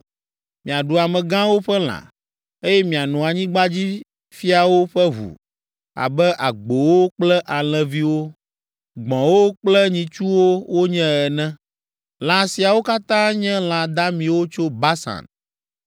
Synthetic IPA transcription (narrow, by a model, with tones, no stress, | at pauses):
mĩ˨a˨ɖu˨a˨mɛ̃˨ɡã˦wo˦ɸɛ˦l̃ã̰˨ | e˦jɛ˦mĩ˨a˨nũ˨a˨ɲĩ˦ɡ͡ba˦d͡ʑi˦ | fi˦a˨wo˦ɸɛ˦ɦṵ˨ | a̰˨bɛ˦ʔa˨ɡ͡bo˨wo˦k͡plɛ˦ʔa˨l̃ɛ̃˨vi˦wo˦ | ɡ͡bɔ̃˨wo˦k͡plɛ˦ɲĩ˨t͡ʃu˦wo˦wo˦ɲɛ̃˦ɛ˨nɛ̃˦ | l̃ã˨si˨a˨wo˦ka˦t̪ã˦ɲɛ̃˦l̃ã˨d̪a˦mĩ˨wo˦t͡ʃo˦ba˦sã̰˨n